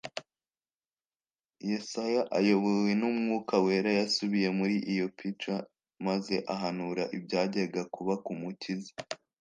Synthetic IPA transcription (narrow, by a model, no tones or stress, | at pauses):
jesajaʔajo̞βowe̞numŋuːkawe̞ːɾajasuβije̞muɾiʔijo̞pit͡ʃa | maze̞ʔaɦanuɾaʔibɟaːɟeɾɡakuβakumucizi